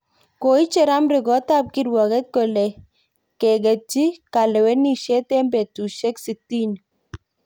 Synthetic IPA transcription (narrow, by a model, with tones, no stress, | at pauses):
ko˨i˦t͡ʃɛ˦ɾa˦mɾɪ˨ɡɔ˨˦ta˦p̚kɪ˦ɾwɔ˨ɡɛ˦t̪̚kɔ˨lɛ˨ | kɛ˨ɡɛ˨t͡ʃi˦ka˨lɛ˨wɛ˦ni˨ʃɛ˦t̪ɛ˦mbɛ˨tu˨ʃɛ˦ksi˨ti˦n